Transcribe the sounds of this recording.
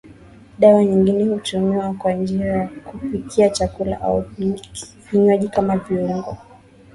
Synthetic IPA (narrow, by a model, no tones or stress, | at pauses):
ɗawaɲiŋɡinɛhutumiwakwand͡ʒiɾajakufikʰiat͡ʃakula̰ʔa̰u | viɲaʄikamaviuŋɡɔ